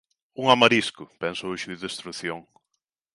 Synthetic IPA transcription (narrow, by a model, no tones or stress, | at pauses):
uŋamaɾiskʊpɛnsʊuʃuðest̪ɾuθjoŋ